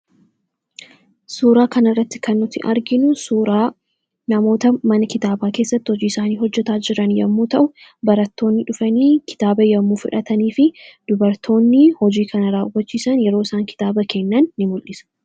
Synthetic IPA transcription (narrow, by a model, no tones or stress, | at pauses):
suːɾaːkɐnɐrːɐt̪ːɪ̥kɐnːʊt̪ɪʔɐɾɡɪnʊsuːɾaː | nɐmo̞ːt̪ɐmɐnɐkɪt̪aːbaːke̞ːsːɐt̪ːɪhɔd͡ʒiːɪsaːniːhɔd͡ʒːɛt̪aːd͡ʒɪɾɐnjɐmːuːt̪ɐʔʊbɐɾɐt̪ːo̞ːnːɪᶑʊfɐniːkɪ̥t̪aːbɐjɐmːuːfɪᶑɐt̪ɐniːfɪd̪̥ʊbɐɾt̪ʰo̞ːnːɪhɔd͡ʒiːkʰɐnɐɾaːwːɐt͡ʃːiːsɐnjɛɾo̞ːɪsaːŋkɪ̥t̪aːbɐkɛnːɐnːɪmʊlʔɪsɐ̥